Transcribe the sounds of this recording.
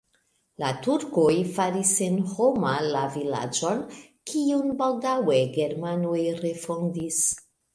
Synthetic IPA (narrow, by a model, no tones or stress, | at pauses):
latuɾkojfaɾisenhomalavila̰d͡ʒo̞n | kiunbawdawe̞ɡeɾmanojɾe̞fo̞ndis